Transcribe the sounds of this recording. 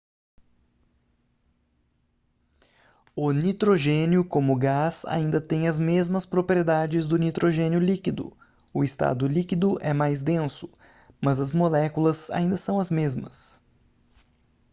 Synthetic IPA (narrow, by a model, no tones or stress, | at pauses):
ʊnit̪ɾoʒẽnʊkõmʊɡaza̰ĩnd̪ɐt̪ẽj̃ɐzmezmɐspɾopɾied̪ad͡ʒɪzd̪ʊnit̪ɾoʒẽnjʊlikid̪ʊ̰ | ʊɪst̪a̰d̪ʊlikid̪ʊʔɛmajzd̪ẽsʊ̥ | mɐzɐzmolɛkulɐza̰ĩnd̪ɐsɐ̃w̃ɐzmezmɐ̰s